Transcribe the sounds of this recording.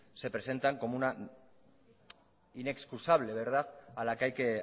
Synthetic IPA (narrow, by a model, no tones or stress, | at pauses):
se̞pɾe̞se̞nt̪aŋko̞mouna | ine̞kskusaβ̞le̞β̞e̞ɾðaðalakajke